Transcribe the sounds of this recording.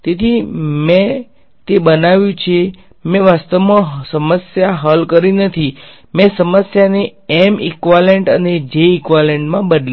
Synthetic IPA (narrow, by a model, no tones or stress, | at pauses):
t̪et̪ʰimɛ̃ | t̪ebənaʋjũt͡ʃʰe | mɛ̃ʋast̪əʋmãsəməsjaɦəlkəɾinət̪ʰi | mɛ̃səməsjaneɛmikʋaleɳʈəned͡ʒeikʋaleɳʈmãbədl